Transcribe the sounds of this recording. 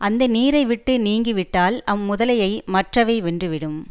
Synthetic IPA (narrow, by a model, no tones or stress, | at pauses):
ʔɐnd̪ɐniːɾɐɪʋɪʈːɯniːŋɡɪʋɪʈːaːlɐmːʊðɐlɐjɐɪmɐʈrɐʋeːʋɛndrɯʋɪɽɯm